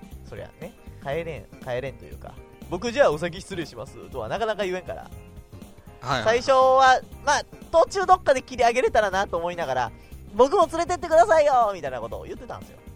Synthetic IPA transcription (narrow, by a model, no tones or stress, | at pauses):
so̞ɾe̞̰βa̰ne̞kaeɾẽkae̞ɾẽ̞nt̪o̞jɯ̟ːka̰ | bo̞k̬ɯ̟ʑaːos̬ak̬ʲiçi̥t͡sɨɾʲioɕimasɨ̰t̪oβa̰nakanakajɯ̟ẽ̞ŋka̰ɾa̰ | saiɕo̞βamaːt̪o̞ːt͡ɕɨːd̪o̞kːad̪e̞kʲiɾʲiaɡe̞ɾe̞t̪aɾanat̪o̞ːmo̞inaɡaɾa̰bo̞k̬ɯ̟mo̞t͡sɨɾe̞t̪e̞t̪ːekɯ̟d̪asaijomʲit̪ainako̞t̪o̞̰ːjɯ̟t̪ːe̞t̪ã̰nesɨjo̞̰